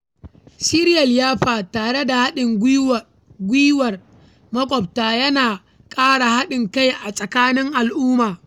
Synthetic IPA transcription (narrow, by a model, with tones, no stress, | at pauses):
si˦ɾɪ˦jɐ˨ljaː˦ɸaː˨taː˨ɽe˦da˨ha˦ɗɪ˨ŋɡ | ɡʷiː˦wɐ˨r | mɐ˦kʷʼɔ˨b̚taː˨jɐ˦naː˨ | kʼaː˦ɽa˨ha˦ɗɪ˨ŋka˦jʔa˨sʼɐ˨kaː˦nɪ˦ŋʔa˨lʔʊː˦maː˨